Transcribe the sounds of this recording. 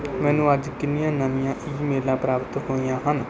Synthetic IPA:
mɛ̃ːnũːəd͡ʒkɪnɪjãːnanɪjãːʔiːmeːlãːpɾaːpt̪ɦoːijãːɦən

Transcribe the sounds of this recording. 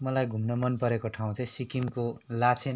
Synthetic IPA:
mʌlajɡʱumnʌmʌnpʌɾekoʈʰaw̃ũt͡sʌ̃j̃sikimkolat͡sʰe

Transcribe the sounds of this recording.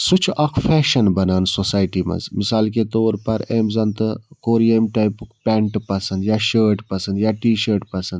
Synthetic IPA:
sut͡ʃʰakʰfʰɛːʃɐnbɐnaːnsosaːjʈiːmɐ̰̃zmisaːlket̪oːɾpɐɾeːmzɐnt̪ɨkoːɾijɐmʈaːjpukpʲɛːɳʈpɐsɐnd̪jaːʃəːɾʈpɐsɐnd̪jaːʈiːʃəːɾʈpɐsɐnd̪

